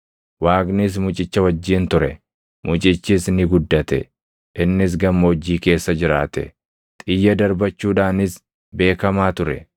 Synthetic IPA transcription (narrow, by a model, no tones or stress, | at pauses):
waːɡnɪs̬mʊt͡ʃʼɪt͡ʃːɐwɐd͡ʒːiːnt̪ʊɾɛ̰ | mʊt͡ʃʼɪt͡ʃːɪsnɪɡʊd̪ːɐt̪ɛ̰ | ʔɪnːɪs̬ɡɐmːɐd͡ʒːiːke̞ːsːɐd͡ʒɪɾa̰ːt̪ɛ̰ | t̪ʼɪjːɐd̪ɐɾbɐt͡ʃːuːᶑaːnɪs | be̞ːkɐmaːt̪ʊɾɛ̰